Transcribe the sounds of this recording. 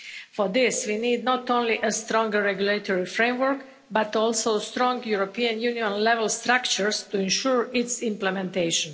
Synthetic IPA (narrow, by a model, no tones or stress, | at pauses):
fɔd̪ɪsʋiniːd̪nɔt̪õnliʔəst̪ɾɔ̃ŋɡəɹɛɡjulet̪ʰoɹifɾẽɪmwəɹk | bat̪ɔlˠsoʊst̪ɾɔ̃ŋɡjuɾopiãnjuniɔ̃nlɛʋɛlst̪ɾakt͡ʃəɹst̪uɛ̃nʃuɹɪtsɪ̃mplɛmɛ̃nt̪eɪʃɔ̃n